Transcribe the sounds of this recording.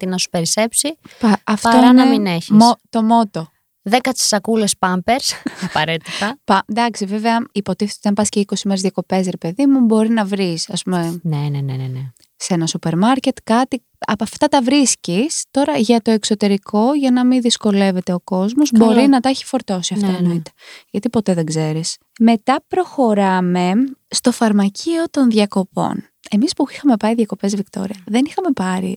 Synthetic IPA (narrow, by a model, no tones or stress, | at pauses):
t̪inɐsu̥peɾisepsipɐɐftɐonɐmineçmot̪o̞mo̞t̪o̞ | ðekɐsi̥sɐkulespɐmpeɾsɐpɐɾet̪i̥t̪ɐpɐd̪ɐksive̞veɐipo̞t̪iθet̪ot̪ɐmpɐsceiko̞simeɾzðjɐko̞pe̞sɾepe̞ðimubo̞ɾinɐvɾisɐspume̞nenenenene | se̞nɐsupe̞ɾmɐɾce̞t̪kɐt̪i | ɐ̰pɐft̪ɐt̪ɐvɾiscist̪o̞ɾɐʝɐt̪o̞ekso̞t̪e̞ɾikʰo̞ʝɐnɐmiðisko̞le̞ve̞t̪e̞o̞ko̞zmo̞zbo̞ɾinɐt̪ɐeçi̥fo̞ɾt̪o̞siɐft̪ɐenoit̪e̥ʝɐt̪ipo̞t̪e̞ðeɡze̞ɾis | me̞t̪ɐpɾo̞xo̞ɾɐme̞st̪o̞fɐɾmɐcʰio̞t̪o̞nðʝɐko̞po̞̰n | e̞mispuixɐmepɐɾiðʝɐko̞pezvikt̪o̞̰ɾiɐðe̞nixɐme̞pɐɾḭ